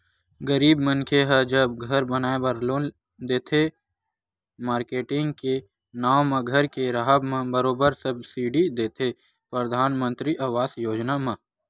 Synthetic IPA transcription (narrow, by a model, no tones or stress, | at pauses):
ɡəɾiːbmə̃nkʰeɦəd͡ʒəbɡʱɐɾbənaːebɾlo | d̪eːt̪ʰe | maːɾkeːʈɪ̃ŋɡke | naːwmẽɡʱəɾkeɾaɦəbmẽbəɾoːbəɾsəbsiːɖid̪eːt̪ʰe | pɾəd̪ʱaːnmə̃nt̪ɾiʔaʋaːsjoːd͡ʒnamã